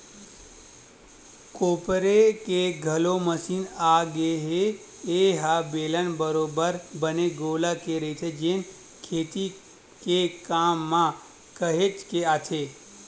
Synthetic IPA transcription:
koːpɾekeɡʱɐloməsiːnaːɡeɦe | eɦabeːlənbəɾoːbəɾbəneɡoːlakeɾəit̪ʰed͡ʒen | kʰeːt̪i | kekaːmːã | kəɦet͡ʃkeaːt̪ʰeː

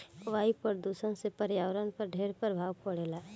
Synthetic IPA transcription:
ʋaːipəɾd̪usənsepəɾjaːʋɾənpəɾɖʱeːɾpəɾbʱaːʋpəɽeːlaː

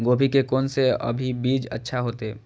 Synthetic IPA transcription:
ɡoːpikekɔːnseə̰bʱibiːd͡ʒə̰tːʃʰaɦoːt̪e

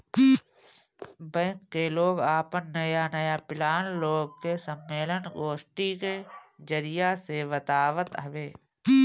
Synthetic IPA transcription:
bɛ̃ːŋkːeloːɡaːpənːəjanəjapɪlaːnloːɡ̚kesəmːeːlənɡoːsʈiked͡ʒəɾɪjaseʋət̪aːʋət̪ɦəʋeː

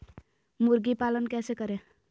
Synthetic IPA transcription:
muɾɡipalənkɛsekʌɾe

